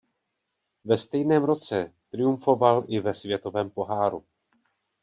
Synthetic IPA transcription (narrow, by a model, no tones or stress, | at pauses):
vɛst̪ɛjnɛːmɾo̞t͡sɛt̪ɾɪjuɱfo̞valʔɪvɛsvjɛt̪o̞vɛːmpo̞ɦaːɾu